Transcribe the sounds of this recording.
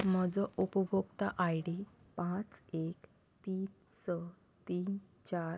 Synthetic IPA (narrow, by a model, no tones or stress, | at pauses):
m̤əd͡zɔʔupəbʱukt̪aʔajɽi | pãt͡sek | t̪iːn | sə | t̪iːn | t͡ɕaɾ